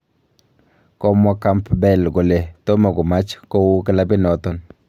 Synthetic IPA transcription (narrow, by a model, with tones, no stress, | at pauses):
ko˦ma˦ka˦mpbɛ˦˨lɡo˨le˨t̪o˦ma˨ɡo˨ma˦t͡ʃko˦wu˦ke˦la˦bi˦no˨t̪o˨n